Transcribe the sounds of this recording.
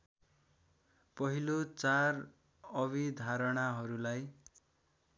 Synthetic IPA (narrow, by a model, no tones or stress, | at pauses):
pʌɦilot͡sar | ʌβid̪ʱaɾʌɽaɦʌɾulaj